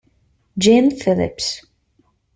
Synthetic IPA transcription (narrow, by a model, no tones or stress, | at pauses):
d͡ʒenfɪlɪ̰ps